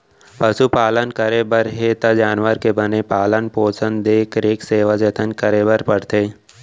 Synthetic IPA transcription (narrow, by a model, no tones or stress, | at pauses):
pɐsupaːlənkəɾebəɾɦet̪ad͡ʒaːnʋəɾkebənepaːlənpoːsənd̪d̪eːkəɾeːkseːʋad͡ʒɐt̪ʰənkəɾeːbəɾpəɽt̪eː